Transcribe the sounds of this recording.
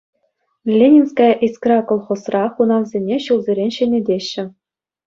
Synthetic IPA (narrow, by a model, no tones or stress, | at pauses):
lʲenʲinskɑʔiskrɑkŏlˠχŏsrɑχunɑnzʲenʲeɕulˠzʲeɾʲenʲɕɘ̆nʲĕdʲeɕːɘ̆